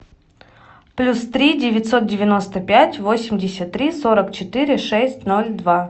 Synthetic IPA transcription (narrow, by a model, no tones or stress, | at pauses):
plʲust̪ɾʲidʲɪvʲɪtʲso̞t̪̚dʲɪvʲɪno̞st̪əpʲætʲvo̞sʲɪmʲdʲɪsʲət̪ːɾʲiso̞ɾəkt͡ɕɪt̪ɨɾʲɪʂɛsʲtʲno̞lʲd̪va